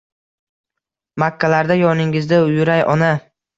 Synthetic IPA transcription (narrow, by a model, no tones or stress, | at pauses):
makʰʲːalaɾd̪ajɒnɪŋɪzd̪aʊjʊɾajʔɒna